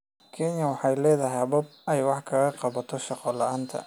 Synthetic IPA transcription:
kʰɛnjɐwɑħɑjlɛːðɐɦɛbɐb̚ɛjwɑħkʰɐɣɐqɑβɐt̪ʰɔʃɑqɔlɑʔaːnt̪ʰɐ̰

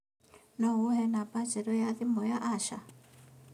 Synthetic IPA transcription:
nɔwɔɦɛnapat͡ʃɛɾɔjaðimɔjaʔaʃa̰

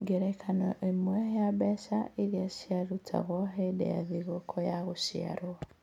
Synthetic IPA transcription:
ɡeɾɛkʰanɔʔemwɛheabɛʃaʔiɾiaʃiaɾutʰa̰ɣwɔɦedḛja̰ðiɣokʰɔjaɣoʃia̰ɾo

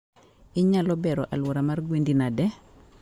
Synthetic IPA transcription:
ɪɲalɔbɛɾɔʔalwɔɾamarɡwendinadɛ

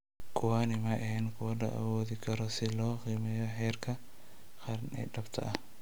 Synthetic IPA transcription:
kʰʊwanɪmɐʔɛhɛnkʰʊwɐdɐ̰ʔɐ̰wɔːðɪkʰɐɾɔsɪlɔːqiːmɛjɔħɛːrkʰɐ | χɑɾnɛ̰ɖɐbt̪ʰɐ̰ʔɐh

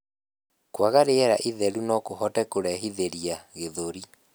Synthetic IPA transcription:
kwaɣaɾeɛɾaʔiðɛɾunɔkoɦɔtɛkoɾɛɦiðeɾiaɣeðoɾi

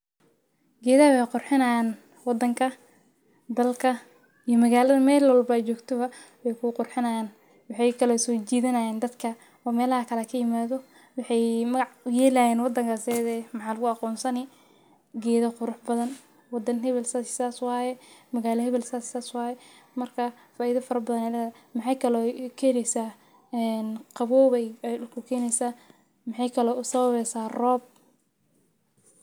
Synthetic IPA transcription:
ɡɛːðɐwɛqʊrħɪnajn | wɑd̪ɐŋkʰɐ | d̪ɐlkʰɐ | ijɔmɐɣaːlɐðɐmɛːlwɑlbɐt͡ʃɔːɡt̪ʰɔβɐ | wɛjkʰʊqʊrħɪnɐjan | wɑħɑjkʰɐlɐsɔːt͡ʃiːðɐnɐjɛːnd̪ɐd̪kʰɐ | ɔːmɛːlhɐkʰɐlɛkʰɐjɪmaːðɔ | wɑħɑjmɐɣɑʕjɛːlɐjɛːnwɑd̪ɐŋkʰɐsɛðɛmɑħɑːlɐɣʊɑqɔːnsɐnɪ | ɡɛːðɐqʊɾʊħbɐðɐn | wɑd̪ɐnɦɛβɛlsasaːswɑːjɛmɐɣaːlɐɦɛβɛlsaːsaːswɑːjɛ | mɐrkʰɐ | faːʔiːðɐfɐɾɐbɐðɐnɛlɛːɐmɑħɑjkʰɐlɔːkʰɛːnɛjsaː | ɛnqɑβɔːβɛɛʊkʰʊkʰɛːnɛjsaː | mɑħɑjkʰɐlɔːʔʊsɐβɐβɛjsaːrɔːb̚

